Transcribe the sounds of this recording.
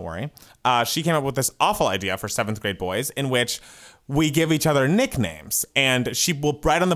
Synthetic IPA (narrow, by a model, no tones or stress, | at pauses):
ʔwɜ̰˞ḭ | ʔʌʃikʰẽɪ̃mʌp̚wəðɪsʔɔfl̩ˠaɪdiɨfə˞sɛvn̩θɡ̥ɹeɪt̚b̥ɔɪzɨ̃nwɪt͡ʃ | wiɡɪvit͡ʃʌðə˞nɪknḛ̃ɪ̃mz̥ɨ̃nʃiwɪlˠɹaɪɾn̩ðə